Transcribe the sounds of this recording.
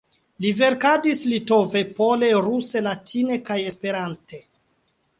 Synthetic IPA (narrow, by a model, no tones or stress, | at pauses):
live̞ɾkadislito̞ve̞po̞le̞ɾuse̞latʰine̞kaje̞spe̞ɾante̞